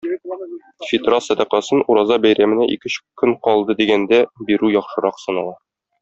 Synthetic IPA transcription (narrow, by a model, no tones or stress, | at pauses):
fʲit̪ɾɑsæd̪æqæsɤnuɾɑzɑbæjɾæmɘ̆næʔḭkɘ̆ɕkːɵŋqɒlˠd̪ɤd̪iɡænd̪æbiɾʉjɒχʃɤ̆ɾɑqsɤ̆nɑlˠɑ